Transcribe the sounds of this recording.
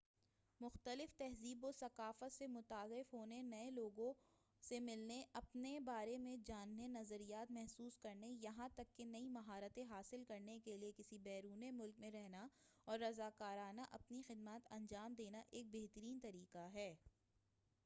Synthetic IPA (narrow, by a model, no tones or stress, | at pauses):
mʊxt̪əlɪft̪ɛɦziːbosɐkaːfət̪semʊt̪aːzɪfɦoːnenɐẽloːɡõ | semɪlneʔɐpnebaːɾemẽd͡ʒaːnːenɐzəɾijaːt̪mɛɦsuːskɐɾnejɐɦãt̪ɐkːenɐimɐɦaːɾət̪ẽɦaːsɪlkɐɾnekeliekɪsibɛːɾuːnemʊlk̚mẽɾɛɦnaɔːɾːɐzaːkaːɾaːnaʔɐpnixɪd̪maːt̪ɐ̃ɲd͡ʒaːmd̪eːnaʔeːk̚beːɦt̪əɾiːnt̪ɐɾiːqaɦɛː